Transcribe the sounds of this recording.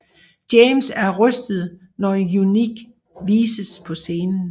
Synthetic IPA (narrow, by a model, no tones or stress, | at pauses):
d̥eːmsæɐʁœsd̥əð̩ˠ | nɒenjuniɡ̥ | ʋiːsəspʰɒ̽se̝ːnn̩